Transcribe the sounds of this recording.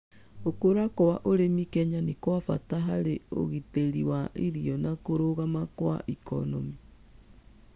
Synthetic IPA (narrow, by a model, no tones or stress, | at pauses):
okoɾakowaʔoɾemikɛɲanekoafa̰taɦaɾeo̰ɣiteɾiwaʔiɾiɔnakoɾoɣamakwa̰ʔikɔ̰nɔmi